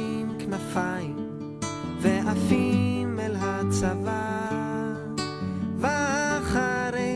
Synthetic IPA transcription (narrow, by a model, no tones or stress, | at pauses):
mknafajim | veʔafimɛlɦat͡sava | vaχaɾe